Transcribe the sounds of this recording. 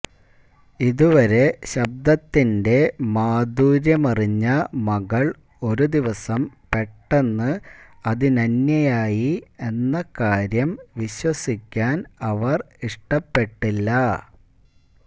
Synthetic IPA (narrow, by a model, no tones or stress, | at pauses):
iðuʋɐɾe̞ɕɐb̚d̪ɐt̪ːinde̞maːd̪uːɾjɐmɐriɲːɐmɐɣɐɭ | o̞ɾud̪iʋɐsɐmpe̞ʈːe̞nːɨɐðinɐnjɐjaːjie̞nːɐkaːɾjɐmʋiɕwɐsikʲːaːnɐʋɐr | iʂʈɐpːe̞ʈːilːɐ